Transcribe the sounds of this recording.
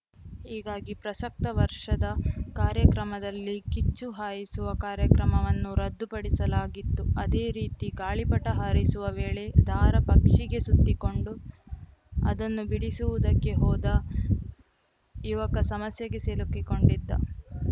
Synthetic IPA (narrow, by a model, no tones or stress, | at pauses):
hiːɡaːɡipɾɐsɐk̚t̪ɐʋɐɾʂɐd̪ɐkaːɾjɐkɾɐmɐd̪ɐlːikit͡ʃːuɦaːjisuʋɐkaːɾjɐkɾɐmɐʋɐnːuɾɐd̪ːupɐɽisɐlaːɡit̪ːuɐd̪e̞ːɾiːt̪iɡaːɭipɐʈːɐɦaːɾisuʋɐʋeːɭe̞d̪ʱaːɾɐpɐkʂiɡe̞sut̪ːiko̞ɳɖu | ɐ̰d̪ɐnːubiɽisuʋud̪ɐkːe̞ɦɔːd̪ɐ | iʋɐkɐsɐmɐsjɐɡe̞selukːiko̞ɳɖid̪ːɐ̰